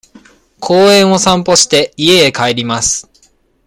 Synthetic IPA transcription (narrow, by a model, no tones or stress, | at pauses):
kʰo̞ːẽ̞ɰ̃o̞sãmpo̞ɕi̥t̪e̞ie̞ːkaeɾʲimasɨ̥